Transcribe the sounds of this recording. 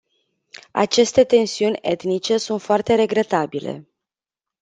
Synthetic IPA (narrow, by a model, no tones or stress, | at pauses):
a̰t͡ʃe̞st̪e̞t̪e̞nsiunʲe̞t̪nit͡ʃe̞sunt̪foart̪e̞ɾe̞ɡɾe̞t̪abile̞̰